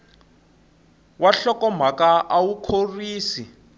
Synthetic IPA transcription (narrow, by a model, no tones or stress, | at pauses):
waɬɔkɔm̤akaʔawukʰoriːsi